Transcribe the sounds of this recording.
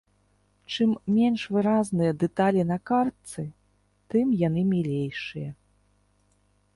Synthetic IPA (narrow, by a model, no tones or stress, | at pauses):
t͡ʂɨmːʲenʂvɨɾaznɨjɐd̪ɛt̪alʲinɐkart̪sɨ | t̪ɨmjan̪ɨmʲilʲejʂɨjɐ